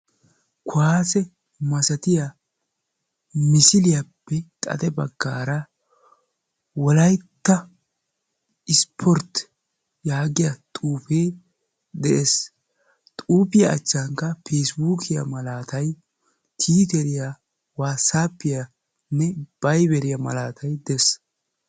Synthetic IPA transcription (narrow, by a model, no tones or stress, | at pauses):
kʊaːsɛ | mɐsɐt̪ɪja | mɪsɪlɪjapːɛt̪ʼɐ̰t̪ɛbɐɡːaːɾɐ | wɔlɐjt̪ːɐ | ɪspʰɔɾt̪ | jaːɡɪjat̪ʼuːpeː | d̪ɛʔes | t̪ʼuːpɪjɐ̰ːt͡ʃːaŋkːɐfeːsbuːkʰɪjɐ̰mɐlaːt̪ɐj | t̪ʰiːt̪ɛɾɪja | waːsaːpːɪja | nːɛb̥ɐjbɛɾɪjɐmɐ̰laːt̪ʰɐjd̪ɛs